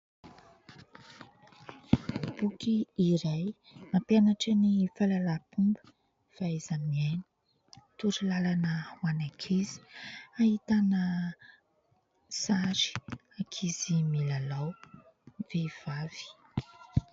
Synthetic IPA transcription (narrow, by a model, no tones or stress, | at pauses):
b̥ukiːɾaj | napjanaʈ͡ʂənifalalapumbə | faezanmiani̥ | t̪uɾilalanəwanakʰizi̥ahit̪anə | saɾi̥akʰizimilalaw | vev̥av̥i̥